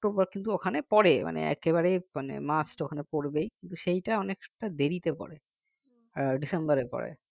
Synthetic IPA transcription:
ʈobaɾkint̪uokʰanepɔɽema̰nḛɛ̰keβaɾemanḛmasʈokʰanepoɽbejkint̪uʃejʈaɔnekʈad̪eɾit̪epɔ̰ɾe | ɖisembaɾepɔ̰ɾḛ

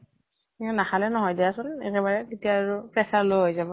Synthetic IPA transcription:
kiɔnaxalɛnɔɦɔjdiasʊnɛ̰kɛbaɹɛketiaɹʊpɹɛsaɹloɦojzabɔ

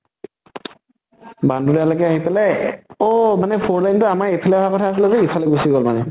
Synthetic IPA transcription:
bandudalakɛaɦipɛlajɔmanɛpʰoɹlajntʊamaɹipʰalaɔɦakɔtʰaːs̬ilɛzɛipʰaleɡusiɡɔlmanɛ

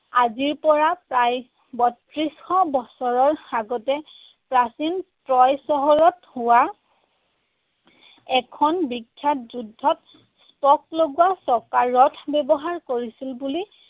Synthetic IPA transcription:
aziɹpɔɹapɹaj | bɔtɹisxɔbɔsɔɹɔɹaɡɔtɛ | pɹasintɹɔjsɔɦɔɹɔthʊwa | ɛkʰɔnbikʰːjatzudʱːɔt̚ | spɔk̚loɡuwasɔkaɹɔtʰbɛbɔɦaɹkoɹisilbuli

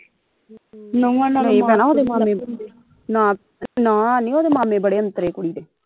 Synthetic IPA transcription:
nəũannĩːpɛːnaːoːd̪eːmaːmẽː | nãː | nãːnĩːoːd̪eːmaːmẽːbəɽeːənt̪əɾeːkʊɽiːd̪eː

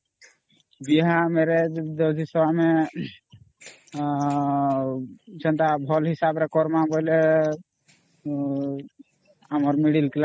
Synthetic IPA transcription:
biɦameɾed̪ɔd̪ʱisɔbame | t͡ʃənt̪abʱɔlɦɪsabɾekɔɾmaboile | amɔɾmiɽilkla

